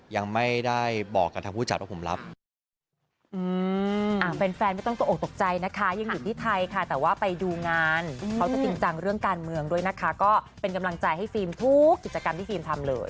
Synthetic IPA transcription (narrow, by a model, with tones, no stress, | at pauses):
ja˧ŋma˥˩jda˥˩jbɔː˨˩kːa˧t̪ʰa˧mpʰuː˥˩t͡ɕa˨˩t̚waː˦˥˩pʰo˩˦mla̰˦˥p̚ | ʔɯː˧ʔaː˧˩fe˧nfɛː˧nma˥˩jt̪ɔ˥˩ŋt̪u˧˨ʔ̚ːt̪o˨˩k̚t͡ɕa˧jna˦˥kʰa˦˥jɯ˧ŋjuː˨˩t̪ʰiː˥˩t̪ʰa˧jkʰa˥˩t̪ɛː˨˩waː˥˩pa˧jduː˧ŋaː˧nkʰa˦˥wt͡ɕa˨˩t̪i˧ŋt͡ɕa˧ŋɾɯ˥˩əŋkaː˧nmɯ˧əŋdu˥˩əjna˦˥kʰa˦˥kɔː˥˩ | pe˧nka˧mla˧ŋt͡ɕa˧jɦa˥˩jfiː˧mt̪ʰu˦˥kːi˨˩t͡ɕa˧ka˧mt̪ʰiː˥˩fiː˧mt̪ʰa˧mlɤ̰ː˧j